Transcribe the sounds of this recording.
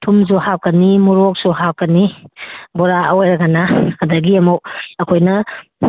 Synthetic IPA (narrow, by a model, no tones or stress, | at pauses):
tʰumzuhawkɐnimuɾok̚suɦawkɐni | bɔɾaɐwjɾɐɡanaɐdɐɡiɐmowɐkʰojnɐ